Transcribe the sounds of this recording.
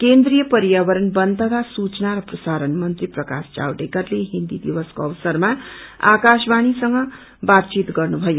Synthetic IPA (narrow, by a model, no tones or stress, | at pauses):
kend̪ɾijʌpʌɾjaβʌɾʌnbʌnd̪ʱʌɡ̪asut͡ʃnaɾʌprʌsaɾʌnmʌnt̪riprʌkast͡ʃa̰wʈekʌrleɦind̪id̪iwʌskoʌʋsʌrmaa̰kasbaɽ̃isʌŋɡʌ | bat̪̚t͡ʃit̪ɡʌrnubʱʌjo